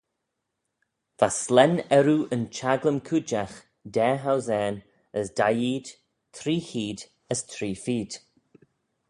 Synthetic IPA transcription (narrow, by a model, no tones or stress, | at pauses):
v̥aslɛnɛɾuʔənt͡ʃaɡləmkʰud͡ʒax | dɛːɦawzɛːn | əsd̥ajiːd̪̥ | tʰɾiːhiːd̪ | əstʰɾiːfiːd̥